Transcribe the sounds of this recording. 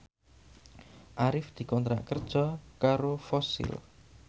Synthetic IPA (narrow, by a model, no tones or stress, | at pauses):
ʔaɾɪfd̪̥i̤kɔnt̪ɾa̰ʔkərd̥ʒ̥ɔkaɾofɔsɪ̰l